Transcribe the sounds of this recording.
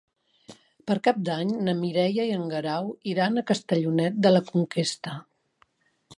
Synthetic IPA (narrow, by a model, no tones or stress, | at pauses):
pəɾkap̚d̪aɲnəmiɾɛjəiəŋɡəɾawiɾanəkəst̪əʎunɛt̪̚d̪ələkuŋkest̪ə